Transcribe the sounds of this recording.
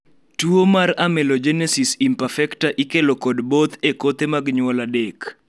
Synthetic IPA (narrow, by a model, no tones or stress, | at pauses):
tuomaramɛlod͡ʒɛnɛsisimpafɛktaʔikelokɔdbot̪ʰekot̪emaɡɲwɔladek